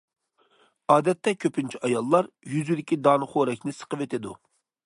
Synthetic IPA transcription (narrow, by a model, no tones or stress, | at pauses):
ɑːd̪ɛt̪ːɛkʲʰøpʰynt͡ʃʰiɑjɑlˠːɑɾ | jyzyd̪ɪkʲid̪ɑːnɨχoɾɛkʲnɪsə̥qəvet̪ʰɪd̪u